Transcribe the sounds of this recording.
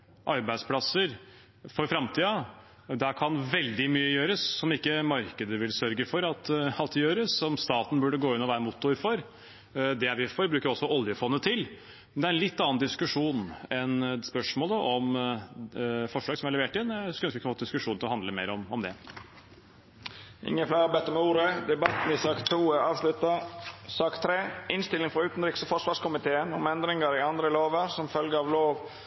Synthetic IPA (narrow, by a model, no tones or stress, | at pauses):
ʔɑɾbæɪd̪spʰlɑsəɾ | fɔɾfɾɑmt̪ʰiːɑ | d̪ækʰɑnʋɛld̪ɪmyːəjøːɾəsːɔmɪkːəmɑɾkəd̪əʋɪlsœɾɡəfɔɾɑt̪ɑt̪̚d̪ɛjøːɾəsɔmst̪ɑːt̪n̩bʉɖəɡoːɪnːɔʋæːɾəmʊt̪ːʊɾfɔɾ | d̪ɛæʋɪfɔɾbɾʉːkəɾɪɔsːɔʔɔljəfɔnːət̪ʰɪl | mnd̪ɛæɾɛnlɪt̪ːɑːɑnd̪ɪskʉʂuːnɛnspœʂmoːləʔɔm | fɔʂɭɑːɡsɔmæɾɭɛʋeːʈɪnskœnskʋɪkʰːnfoːd̪ɪskʉʂuːnɪlɔhɑnd̪ləmeɪɾɔmɔmd̪ɛ | ɪ̰ŋːəflæːɾɑbɛt̪ːɔmuːɾəd̪ɛbɑt̪n̩ɪsɑːkt̪ʰuːæɑːʋslʉt̪ɑsɑːkt̪ʰɾeːɪnst̪ɪlɪŋfɾɑʉːt̪n̩ɾɪksɔfɔʂʋɑːʂkʰʊmɪt̪ʰeːənɔmɛnd̪ɾɪŋəɾɪɑnd̪ɾəloːʋəɾsɔmfœlɡəɑːʋloːʋ